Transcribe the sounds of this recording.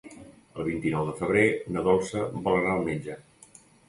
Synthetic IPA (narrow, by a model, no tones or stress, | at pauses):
əlˠβ̞int̪inɔwðəfəβɾenəðɔlˠsəbələɾaəlˠmend͡ʒə